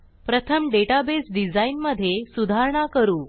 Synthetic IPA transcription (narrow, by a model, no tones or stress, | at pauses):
pɾət̪ʰəmɖeʈabesɖid͡zainməd̪ʱːjesud̪ʱaɾɳ̃akəɾuː